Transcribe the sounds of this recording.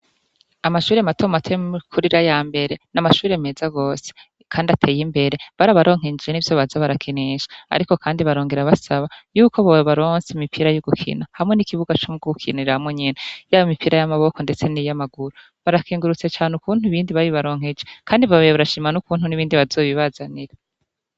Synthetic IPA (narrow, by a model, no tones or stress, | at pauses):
amaʃuːɾe̞matomatʰekʰuɾiɾajaːmbe̞ɾe̞namaʃuːɾe̞me̞ːzaɡo̞ːse̥ | kʰaːndatʰe̞ːjimbe̞ɾe̞βaɾaβaɾʔo̞ːŋ̥eɲd͡ʒienivjoːβazaβaɾakʰeneʃḁa̰ɾiko̞kaːndiβaɾo̞ːŋɡeɾaβasaβajuːko̞βoβaɾo̞ːnsemipʰiɾajuɡukʰḭnahamŋe̞nikiβuɡat͡ʃomuɡoɡukʰiniɾahamŋeɲenajaːjomipiɾajamaβo̞ko̞nde̞t͡se̞nijamaɡuɾo | βaɾakʰiːŋɡuɾut͡se̞t͡ʃaːnukuːn̥huiβiːndiβaβiβaɾo̞ːŋ̥e̞d͡ʒekaːndiβaββaɾaʃiːmanukuːn̥huniβiːndiβazo̞ːβiβazaniɾa